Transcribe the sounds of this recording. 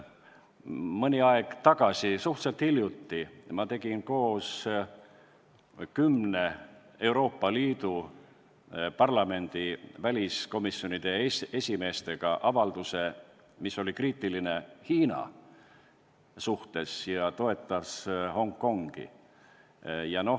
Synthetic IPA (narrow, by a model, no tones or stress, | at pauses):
mɤnʲiɑeɡ̥t̪ɑɡ̥ɑsisuht̪selt̪hiljut̪ːimɑt̪e̞ɡ̥inko̞ːs | kymne̞ | e̞uwɾo̞ːpːˑɑliːd̪u | pɑrlɑme̞nd̪̥ivælʲisko̞misːjo̞nid̪̥e̞e̞sʲime̞ːst̪e̞ɡ̥ɑʔɑvɑld̪̥use̞ | misːo̞likriːt̪ːˑiline̞hiːnɑ̰ | suht̪e̞sjɑt̪o̞e̞t̪ːˑɑsho̞ŋkːo̞ŋɡ̥ḭ | jɑno̞